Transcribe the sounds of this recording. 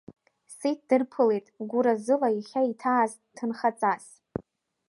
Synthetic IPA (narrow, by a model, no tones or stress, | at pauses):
sejt̚ʰd̥ɨrpʰɨlejtʼɡʷuɾazɨlaiχʲaitʰaːz | tʰɨnχat͡sʼas